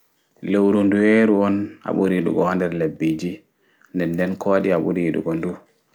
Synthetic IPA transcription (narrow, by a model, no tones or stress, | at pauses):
lewɾunduweɾuɔna̰ɓuɾiɗṵɡɔandɛɾlebːid͡ʒi | ndɛnːdɛnkʰɔɗiaɓṵɾiɗṵɡɔndu